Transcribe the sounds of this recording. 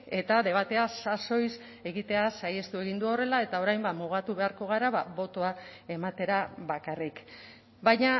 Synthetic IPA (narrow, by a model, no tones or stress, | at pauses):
e̞t̪aðe̞β̞at̪e̞asaso̞js | e̞ɣit̪e̞asaje̞st̪ue̞ɣ̞ind̪uo̞re̞lae̞t̪ao̞ɾajmbamuɣat̪uβe̞aɾko̞ɣ̞aɾaβaβo̞t̪o̞ae̞mat̪e̞ɾaβakarik | bajɲa